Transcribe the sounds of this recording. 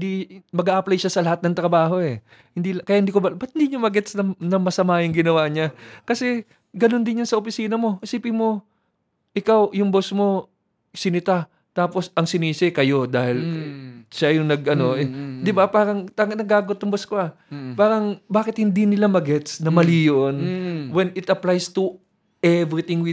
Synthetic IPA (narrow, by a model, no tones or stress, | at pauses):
d̪imɐɡaʔɐplɐjʃasɐlɐhat̪̚nɐŋt̪ɾɐbaːɦo̞ʔɛ | hɪnd̪iːlkɐjahɪnd̪iːkobɐbɐt̪hɪnd̪iɲamɐɡɛt̪snɐnɐmɐsɐmaːjʊŋɡɪnɐwaɲakɐsɛ | ɡɐno̞nd̪ɪnjansɐʔopɪsiːnɐmo̞ʔsiːpɪmo̞ | ʔɪkawjʊŋbosmo̞ | sɪnɪt̪a | t̪aːpo̞sʔɐŋsɪniːsɪkɐjo̞d̪aːhɪl | ʃajʊŋnɐɡʔɐno̞ɛd̪ɪbapaːɾɐŋt̪aɡɐnɐɡaːɡot̪ːʊŋboskoa | paːɾɐŋbaːkɪt̪̚hɪnd̪inɪlamɐɡɛt̪snɐmɐliːjoʔnwɛnɪt̪ɐplajst̪u | ɛvɾɪt̪ɪŋwɪ